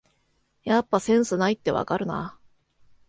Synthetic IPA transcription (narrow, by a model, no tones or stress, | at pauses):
japːasẽ̞ɰ̃sɨnait̪ːe̞βa̰kaɾɯ̟na̰